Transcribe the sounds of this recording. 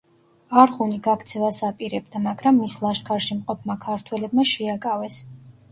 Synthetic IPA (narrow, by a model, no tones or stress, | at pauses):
aɾχuniɡakʰt̪sʰɛvasapʼiɾɛbd̪amaɡɾamːislˠaʃkʰaɾʃimqʼɔpʰmakʰaɾt̪ʰwɛlɛbmaʃɛakʼavɛs